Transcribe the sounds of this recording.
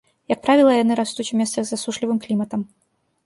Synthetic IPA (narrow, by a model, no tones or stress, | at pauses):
jɐk̚pɾavʲilˠɐjanɨɾast̪ut͡sʲumʲɛst̪sɐɣzasuʂlʲivɨmklʲimɐt̪ɐm